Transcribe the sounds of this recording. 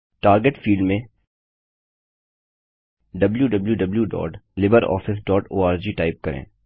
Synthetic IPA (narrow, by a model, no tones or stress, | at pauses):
ʈaːɾɡeʈfiːlɖmẽ | ɖɐbljuɖɐbljuɖɐbljuɖɔ̰ːʈlɪbəɾɔ̰ːfɪsɖɔːʈoːaːɾd͡ʒiːʈaːɪp̚kɐɾḛ̃ː